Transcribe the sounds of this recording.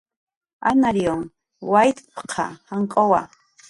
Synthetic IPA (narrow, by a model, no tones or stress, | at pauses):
a̰naɾjoŋ | wajt̪pqʰɑ̰haŋkʼowa̰